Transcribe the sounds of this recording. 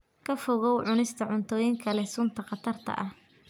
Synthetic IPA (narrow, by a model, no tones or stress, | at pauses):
kʰɐfɔɣɔwʕʊnɪst̪ʰɐʕʊnt̪ʰɔːjɪŋkʰɐlɛsʊnt̪ʰɐqɑt̪ʰɐrt̪ʰɐ̰ʔɐh